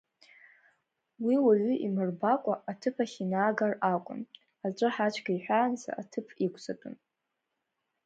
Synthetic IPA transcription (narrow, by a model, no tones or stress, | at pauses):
wiwaɥʏʔimɨrbakʷʼaʔatʰɨpʰaχʲinaːɡarakʷʼʊ̰n | at͡ʃʷʼɨħat͡ʃʷʰɡaiħʷᶣaːnza̰ʔatʰɨpʰikʷʰʼzatʼʊn